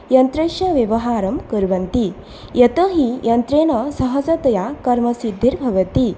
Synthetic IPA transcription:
jɐnt̪ɾɐʃjɐʋjɐʋɐɦaːɾɐmkɐɾʋɐnt̪i | jʔɐt̪ɐːɦijɐnt̪ɾeːɳɐsɐɦɐsɐt̪ɐjakɐɾmɐsid̪ʱːiɾbʱɐʋɐt̪i

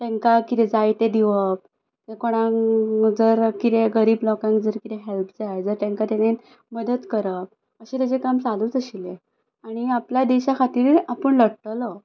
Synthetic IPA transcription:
t̪ẽŋkakit̪ɛd͡zajt̪ed̪iʋəp̚ | t̪ekoɽ̃aŋd͡zəɾkit̪eɡəɾiːblɔkãŋkd͡zəɾkit̪eɦelpd͡zajd͡zəɾt̪ẽŋkat̪ane | məd̪ət̪kəɾəp̚ | əɕẽt̪jat͡ɕekamt͡saluːt͡səɕile | aɽ̃iapljad̪iɕakʰat̪iːɾɾapəɳləɽʈ̪əlɔ

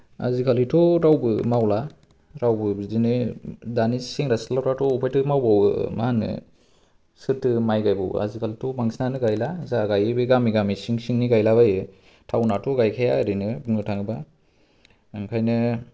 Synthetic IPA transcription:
a̰zikʰalitʰɔɾawbɯmawla | ɾawbɯbizinɯdanisiŋɾaslawɾatɔupʰajtɯmawbawɯmanɯ̰ | sɯɾtɯmajɡajba̰w̰a̰zikʰalitʰɔbaŋsinanɯɡajlazaɡajɯbɯɡamiɡamisiŋsiŋniɡajlabajɯ | tʰawnatʰɔɡajkʰajaɾinɯbɯŋɯtʰaŋɯba | ɯŋkʰajnɯ

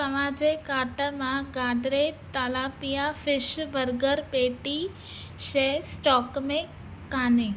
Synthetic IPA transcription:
ɐmãːd͡ʑekaːʈəmãɡãːd̪ɾet̪aːlaːpijafɪʃbəɾɡəɾpeːʈi | ʃesʈɔːkmẽ | kaːnẽ

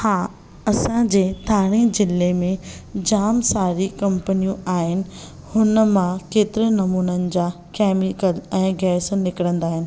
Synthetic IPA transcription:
haː | ɐsãd͡ʑeːt̪ʰaːɽ̃id͡ʑɪlemẽd͡ʑaːmsaːɾikɐ̃mpənijũaːɦɪnɪ̆ | hʊnəmãkeːt̪ɪɾənɐmuːnənɪ̆d͡ʑaː | kɛːmikəlɛ̃ːɡɛːsnɪkəɽə̃nd̪aːɦɪnɪ̆

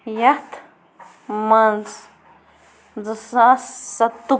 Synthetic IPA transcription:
jat̪ | mãnt͡s | nd͡zɨsasat̪u

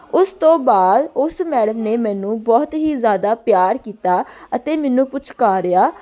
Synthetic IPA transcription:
ʊst̪õːbaːd̪ʊsmɛːɽəmneːmɛ̃ːnũːbɔːt̪ɦiːzjaːd̪aːpjaːɾkiːt̪aːət̪eːmɛːnũːpʊt͡ʃʰkaːɾeaː

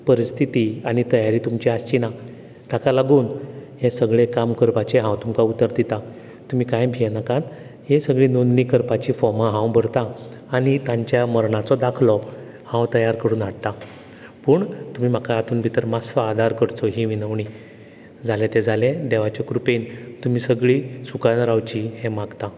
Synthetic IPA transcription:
pəɾist̪ʰit̪iaɽ̃it̪əjaɾiːt̪umt͡ɕiast͡ɕina | t̪akalaɡuːnɦesəɡɭekamkəɾpat͡ɕeɦãwt̪umkaut̪əɾd̪it̪a | t̪um̤iːkãjbʱijenakãt̪ | ɦesəɡɭiːnonniːkəɾpat͡ɕiːfɔmaɦãwbʱəɽt̪aː | ɽ̃it̪ãɲt͡ɕjaməɾɳat͡sɔd̪akʰlɔ | hãwt̪əjaɾkəɽuːnaɽt̪a | puːɳt̪um̤iːm̤akaat̪ʰuːnbʱit̪əɾmasfaaːd̪ʱaɾkəɾt͡sɔɦĩʋinəʋɳi | d͡zʱalet̪ed͡zaled̪ɛʋat͡ɕakɾupent̪um̤iːsəɡɭiːsukanɾawt͡ɕihẽmaɡt̪a

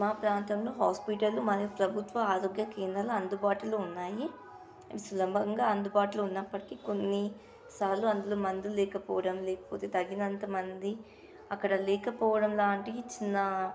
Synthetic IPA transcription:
maːpɾaːnt̪ɐmloːɦaːspiʈɐlumɐnupɾɐbʱut̪ʋɐaːɾoːɡjɐkɛːnd̪ɾɐlɐmɐnd̪ubaːʈuloːunːaːji | sulɐbʱɐŋɡaːɐnd̪ubaːʈuluunːɐpːɐʈi̥kiko̞nːi | saːlːuɐnd̪uloːmɐnd̪ulɛːkɐpɔːʋɐɽɐmlɛːkɐ̥poːt̪eːd̪ɐɡːinɐnt̪ɐmɐnd̪i | ɐkːɐɽɐlɛːkɐpɔːʋɐɽɐmlaːɳʈit͡ʃinːɐ

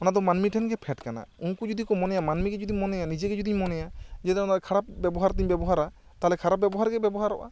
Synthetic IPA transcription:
ɔnad̪ɔmanmiʈʰɛnɡɛpʰɛʈkana̰ũŋkud͡ʒud̪ikɔmɔnɛjamanmiɡɛd͡ʒud̪imɔnɛjanid͡ʒɛɡɛd͡ʒud̪iɲmɔnɛjad͡ʒɛt̪ɛɔnakʰaɽap̚bɛbɔɦaɾt̪iɲbɛbɔɦaɾa | t̪aɦlɛkʰaɾap̚bɛbɔɦaɾɡɛbɛbɔɦaɾɔ̰ʔa̰

